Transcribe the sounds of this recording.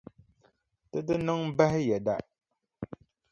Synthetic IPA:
tɨ˦dɨ˦nɨ˦ŋba˦hɪ˦jɛ˨da˦

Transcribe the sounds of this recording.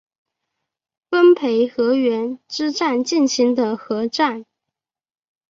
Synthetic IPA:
fə˥npʰe˧˥ɪxɤ˧˥ɥɛ˧˥nʈ͡ʂɻ̩˥ʈ͡ʂa˥˧nt͡ɕi˥˩nɕi˧˥ŋd̪ə˨xɤ˧˥ʈ͡ʂa˥˩n

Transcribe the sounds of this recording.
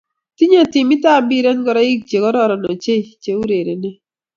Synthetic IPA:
ti˦ɲa˦ti˨mɪ˦ta˦˨bi˦ɾɛ˦nɡɔ˦ɾa˦i˦k̚t͡ʃe˨ɡɔ˦ɾɔ˦˨ɾɔ˨nɔ˨t͡ʃe˦t͡ʃe˨˦u˦ɾe˨ɾe˨ne˦

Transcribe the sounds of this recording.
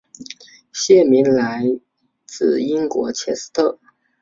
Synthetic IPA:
ɕjɛ˥˩mi˧˥nla˧˥ɪ | t͡sɹ̩˥˩i˥ŋkwɔ̰˧˥t͡ɕʰjɛ˥s̩˥t̪ʰɤ˥˩

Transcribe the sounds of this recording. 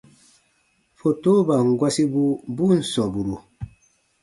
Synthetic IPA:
fo˨to˦ba˨ŋ˨ɡwa˦si˦bu˦bu˦n̩˨sɔ˨bu˨ɾu˨

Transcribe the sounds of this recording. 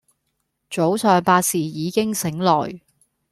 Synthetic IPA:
t͡so˨˥wsœː˨ŋpaː˧t̚siː˨˩jiː˨˧kɪ˥ŋsɪ˨˥ŋlɔː˨˩j

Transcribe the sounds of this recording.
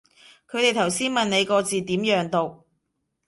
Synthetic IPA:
kʰɵ˨˧˥t̪e˨jt̪ʰɐ˨˩wsiː˥nmɐ˨nne˨˧jkɔː˧t͡siː˨t̪iː˨˥mjœː˨˧ŋt̪o˨w

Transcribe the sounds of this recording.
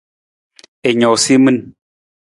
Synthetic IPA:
e˨ɲo˨si˦mɨ˦n

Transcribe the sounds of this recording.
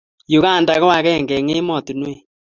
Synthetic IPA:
jo˨ɣa˦˨nda˨ɣɔ˦wa˨kɛ˦˨ŋɡɛ˨ŋe˦mɔ˨tu˨nwe˦˨

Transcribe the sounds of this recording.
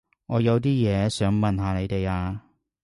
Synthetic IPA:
ŋɔː˨˧jɐ˨˧wt̪̬iː˥jɛː˨˧sœː˨˥ŋmɐ˨nɦaː˨˧ne˨˧jt̪e˨jaː˧

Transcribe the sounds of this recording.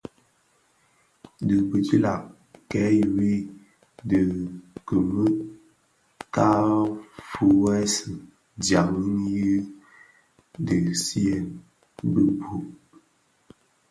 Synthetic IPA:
də˨bə˨d͡ʒi˦la˨ | kɛ˨˦jwi˦ | də˨kə˨mə˦ | ka˦fu˨wɛ˦sɨ˨ | dja˨ŋə˦n˦jə˦ | də˨si˦ɛ˨n | bə˦bʰu˨ʔ

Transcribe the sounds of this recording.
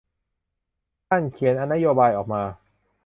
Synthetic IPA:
t̪ʰa˥˩nkʰi˨˩˦nʔa˧nːa˦˥joː˧baː˧jʔɔː˨˩k̚maː˧

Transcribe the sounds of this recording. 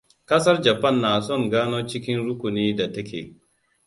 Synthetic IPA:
kɐ˦sɐ˦rd͡ʒɐ˨pɐ˦˨nːaː˨sɔ˦˨ŋɡaː˦noː˦t͡ʃɪ˦kʲɪ˦nɾʊ˦kʷʊ˨niː˦da˨tɐ˦kʲḛː˨

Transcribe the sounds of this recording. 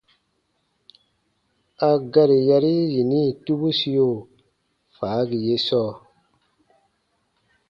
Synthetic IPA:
a˨ɡa˨ɾi˨ja˧ɾi˦ji˨ni˦˨tu˦bu˦si˦jo˦˨ | faː˨˦ɡi˨je˦sɔː˦˨

